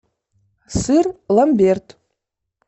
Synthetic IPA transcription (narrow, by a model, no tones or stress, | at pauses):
sɨrlˠambʲert̪